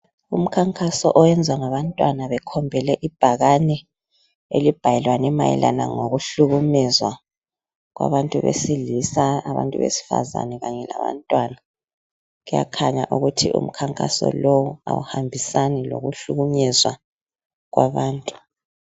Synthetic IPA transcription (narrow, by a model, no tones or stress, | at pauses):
um̩kʰaŋkʼasɔʔɔwɛnd͡zʱwaŋaβantʼwanaβɛkʰɔmbʱɛlɛʔib̥ʱaɣanɛ | ḛlib̥ʱajɛlwanɛmajḭla̰na̰ŋoɣuɬuɣumɛzwa | ɣwa̰βantʼuβḛsilisaːβa̰ntʼṵβesi̥fa̰za̰nɛɣaɲɛlaβa̰ntʼwana | ɣuja̰kʰaɲa̰ʔuɣutʰiʔṵm̩kʰaŋkʼa̰sɔ̰lowua̰wṵhambʱisanilo̰ɣuɬuɣuɲɛzwa | ɣwaβaːntʼu̥